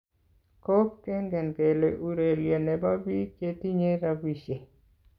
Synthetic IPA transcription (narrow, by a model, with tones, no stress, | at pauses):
ko˦pkɛ˦ŋɡɛ˨nɡe˨le˨ʔu˨ɾe˨lje˨ne˨ba˦bi˦ke˦ti˦ɲe˦ɾa˦bi˨ʃe˨